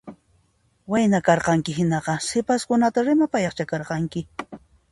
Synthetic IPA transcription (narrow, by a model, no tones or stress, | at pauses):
wajnakɑɾqɑŋkɪɦɪnɑqɑsɪpaskʊnat̪aɾɪmapajɑχt͡ʃakɑɾqɑŋkɪ